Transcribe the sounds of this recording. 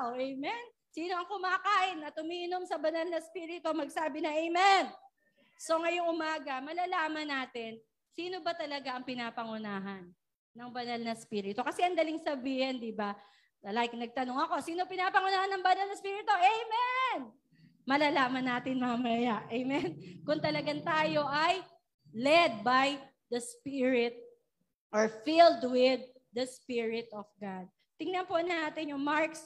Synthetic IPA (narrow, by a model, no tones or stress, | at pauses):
ʔɛjmɛn | siːno̞ʔɐŋkʊmaːkaːʔɪnːɐt̪ʊmiːʔɪno̞msɐbɐnalnɐspiːɾɪt̪o̞mɐɡsaːbɪnɐʔɛjmɛn | so̞ŋɐjo̞ŋʔʊmaːɡɐmɐlaːlaːmɐnaːt̪ɪn | siːno̞bɐt̪ɐlɐɡaʔɐŋpɪnaːpɐŋʊnaːɦɐnː | ɐŋbɐnalnɐspiːɾɪt̪o̞kɐsɛʔɐŋd̪ɐlɪŋsɐbiːhɪnd̪iba | lajk̚nɐɡ̚t̪ɐnoŋɐko̞siːno̞pɪnaːpɐŋʊnaːhɐnːɐŋbɐnɐlnɐspiːɾɪt̪oʔɛjmɛn | mɐlaːlaːmɐnaːt̪ɪnmamɐjaʔɛjmɛnkʊŋt̪ɐlɐɡaŋt̪aːjo̞ʔɐj | lɛd̪̚baj | d̪ɐspiɹɪt̪̚ | ʔɔɹfɪld̪wɪd̪̚ːɐspɪɹɪt̪ɔfɡad̪̚ | t̪ɪŋnɐnponaːt̪ɛnjʊŋmaɹks